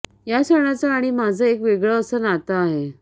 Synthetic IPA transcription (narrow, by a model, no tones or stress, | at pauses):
jasəɽ̃at͡saːɽ̃imad͡zʱəekʋeɡɭəːsəːnat̪aːɦe